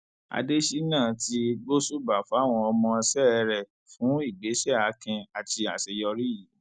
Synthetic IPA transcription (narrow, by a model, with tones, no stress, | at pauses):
a̰˨˧de˦ʃi˦nãː˦˨ti˧ɡ͡bo˦su˦ba˨fa˨˦˨w̃ɔ̃˧ɔ˧mɔ̃˧sɛ˦ɛ˧ɾɛ˨ | fũ˨˦i˦˨ɡ͡be˨˦ʃɛ˦˨a˨˦kɛ̃˧a˨ti˧a˨sɛ˨jɔ˧ɾi˦ji˨˦